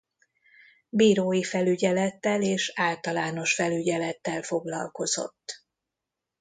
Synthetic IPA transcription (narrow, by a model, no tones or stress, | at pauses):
biːɾoːjifɛlyɟɛlɛt̪ːɛleːʃaːlt̪ɒlaːno̞ʃfɛlyɟɛlɛt̪ːɛlfo̞ɡlɒ̰lko̞z̥o̞̰t̪ː